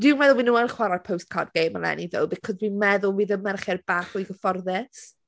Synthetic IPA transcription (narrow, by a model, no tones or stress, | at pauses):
d̥ɪnmɛðʊlˠwinuənχwaɾapʰowst̚kʰa̰rdɡejməlˠɛ̰niðɪ̰lˠbɪkʰɔzwinmɛðʊlˠwiːðəmɛrχɛrbaːχujɡəfɔrðɛs